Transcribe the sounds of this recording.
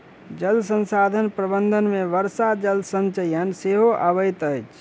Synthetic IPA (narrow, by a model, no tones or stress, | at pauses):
d͡ʒəlsə̃nsad̪ʱənpɾəbənd̪ʱənmẽʋəɾsad͡ʒəlsənt͡ʃəjənseɦoʔəʋəjt̪əjt͡ʃʰ